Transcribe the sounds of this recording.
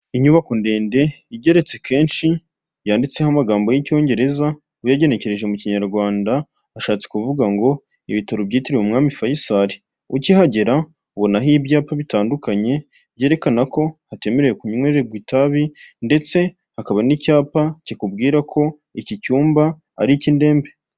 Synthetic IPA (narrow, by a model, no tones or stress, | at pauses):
iɲuβako̞nde̞ːnde̞iɟe̞ɾe̞t͡se̞kʰe̞ːnʃi | jaːndit͡se̞hamaɡaːmbo̞jico̞ːɲɟe̞ɾe̞za | ujaɟe̞ne̞ce̞ɾe̞ʒe̞muciɲaɾɡwaːndaː | ʃaːt͡se̥kuvuɡaŋɡo̞ | ḭβitoɾobɟiːtiɾimumŋaːmifajisaɾi | uciɦaɟe̞ɾa | βonaɦibjaːpaβitaːndukaɲe̞ | bɟe̞ːɾekanako̞hate̞me̞ɾe̞jekuɲweɾeɡwitaβinde̞t͡se̞ | hakaβanicaːpacikub̚ɡiːɾakʰo̞ | icicuːmba̰ː | ɾicinde̞ːmbe̞